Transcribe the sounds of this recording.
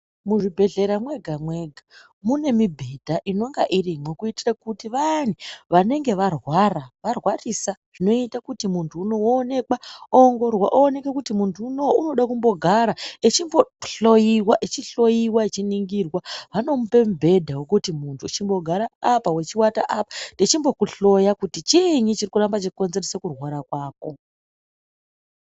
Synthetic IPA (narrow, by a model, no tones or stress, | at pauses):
muʐibʱe̞ɮe̞ɾamwe̞ɡʱamwe̞ɡʱa | mune̞mibʱe̞dʱaʔino̞ŋɡaʔirimwekuitirakutiʋan̤iʋane̞ŋɡe̞ʋarwaraʋarwarisaʐ̥ino̞itakutimuntʰuːno̞woːne̞kaoŋɡo̞rwaʔoːne̞kakutimuntʰuːnowoʔuno̞ɗakumbo̞ɡʱaɾaet͡ʃimboɬo̞jiwaʔet͡ʃiɬo̞jiwaet͡ʃiniŋɡirwaʋano̞mupe̞mbʱe̞dʱawokutimuntʰuit͡ʃimbo̞ɡʱaɾaːpawet͡ʃiwataʔapatet͡ʃimbo̞kuɬo̞jakutit͡ʃiɲit͡ʃirikurambat͡ʃekonze̞rosekurwaɾakwaːko̞